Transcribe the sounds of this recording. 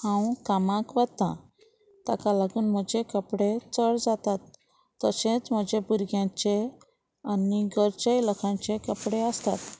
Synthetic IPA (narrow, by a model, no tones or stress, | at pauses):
hãwkamãkʋət̪ã̰ | t̪akalaɡuːnm̤əd͡ʑekəpɽet͡səɽd͡zat̪at̪ː | əɕẽt͡sm̤əd͡ʑebuɾɡjãt͡ɕe | aniɡəɾt͡ɕəjləkʰãɲt͡ɕekəpɽeəst̪a̰t̪